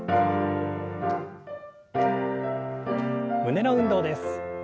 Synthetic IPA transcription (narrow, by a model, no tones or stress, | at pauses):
mɯ̟ne̞no̞ɯ̟̃nd̪o̞ːd̪e̞sɨ̥